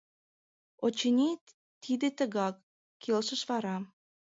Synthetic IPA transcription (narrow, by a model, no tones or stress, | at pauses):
ot͡ɕənʲe | t̪ʰid̪et̪əɣɑkːʰ | elʃəʃβɑɾɑ